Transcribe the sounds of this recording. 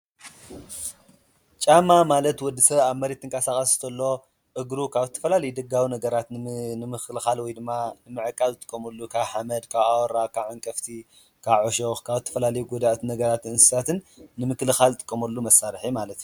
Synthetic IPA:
t͡ʃʼamːamalɐt̪wɔd̪ːɨsɐβaβmɐɾit̪ʰːɨŋkʼasaxʼɐst̪ʰɐlːo̞ | ʔɨɡɾukʰaβzɨt̪ʰːɐ̥fɐlalɐjud̪ɐɡawinɐɡɐɾat̪nɨmɨklɨxalwɔjd̪ɨmːanɨmɨʕɨkʼːalzɨt̪ʼɨ̥kʼːɐmɐlːukʰaβħamɐd̪kʰaβawɔɾakʰaβʕaŋkʼɐft̪ʰi | kʰaβʕoʃoxkʰaβzɨt̪ʰːɐfɐlalɐjuɡod̪aʔt̪ʰnɐɡɐɾat̪ɨnsɨ̥sat̪ɨnːɨmɨklɨxalt̪ʼɨ̥kʼːɐmɐlːumɐsːaɾħimalɐt̪

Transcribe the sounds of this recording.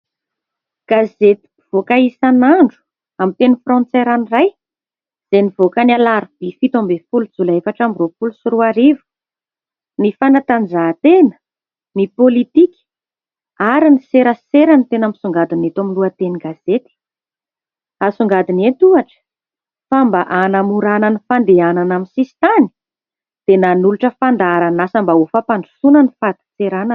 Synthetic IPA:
ɡ̥azet̪i̥ | v̥okaisanaɳɖ͡ʐu̥ | amit̪enəfrɔ̃nt͡seɾaniraj | z̥enivokənalaɾib̥ifit̪ombefulud͡zulaefaʈ͡ʂamirofulusuɾuaɾivu̥ | nifanat̪and͡zat̪enə̥ | nipolit̪ikʲ | aɾiniseɾəseɾanit̪enamisuŋɡad̪inet̪amiluat̪eniɡaz̥et̪i̥ | asuŋɡad̪inet̪uaʈ͡ʂə̥ | fambaʔanamuɾananifand̪eananamisisi̥t̪ani̥ | d̪̥enanuluʈ͡ʂəfand̪aɾanasambaofapanu̥sunənifat̪i̥t͡seɾana

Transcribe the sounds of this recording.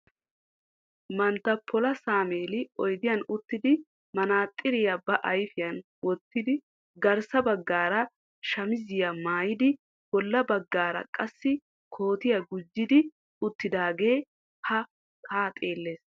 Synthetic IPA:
mɐnt̪ɐpʰːɔlɐsaːmeːlɪɔjd̪ɪjɐnʊt̪ːɪd̪ɪ | mɐnaːt̪ʼːɪɾɪjɐbɐʔɐjfɪjɐn | wɔt̪ːɪd̪ɪ | ɡɐɾsɐbɐɡːaːɾɐ | ʃɐmɪzɪjɐmaːjɪd̪ɪ | bɔlːɐbɐɡːaːɾɐ̰kʼɐsːɪ | kʰo̞ːt̪ɪjɐɡʊd͡ʒːɪd̪ɪ | ʊt̪ːɪd̪aːɡe̞ː | hɐ | tʰaːt̪ʼe̞ːlːeːs

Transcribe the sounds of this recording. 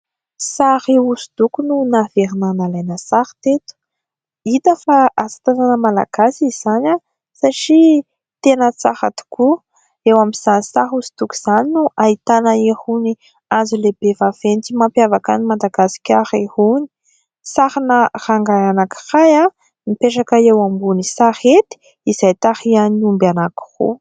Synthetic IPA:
sahiuzud̪̥ukununaveɾinanalajnəsaht̪et̪u̥ | it̪əfaʔasi̥t̪ananəmala̰ɡ̥asizizana | saʈ͡ʂi | t̪enət͡saha̰t̪u̥ku | ewamiz̥anisaɦuzud̪̥uku̥z̥aninuʔait̪anəehuni | azuleb̥evav̥ent͡simampjavakanimand̪aɡasi̥kʲaɾehuni̥ | sahanəraŋɡaanaki̥raja | mipeʈ͡ʂakəewambunisahet̪i̥ | izajt̪ahianumbanaku̥rṵ

